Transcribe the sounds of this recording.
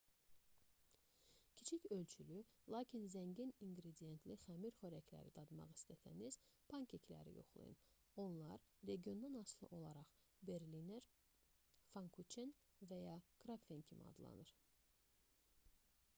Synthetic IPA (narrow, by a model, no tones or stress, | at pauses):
cʲʰi̥t͡ʃʰicø̞lt͡ʃʰylylˠɑːcʰinzæŋɟiniŋɡɾed̪ije̞nt̪ʰliχæmiɾχøɾæcʰlæ̰ɾid̪ɑd̪mɑ̰ʁist̪æt̪ʰæ̰niz̥pʰɑŋkʰecʰlæ̰ɾḭjo̞̰χlˠɯ̰jɯ̰n | o̞nlˠɑɾɾe̞ɡio̞nd̪ɑnɑslˠɯ̰ʔo̞lˠɑɾɑχ | be̞ɾlineɾ | fɑŋkʰut͡ʃʰenvæjɑɡ̥ɾɑfencʰimḭɑ̰d̪lˠɑ̰nɯɾ̥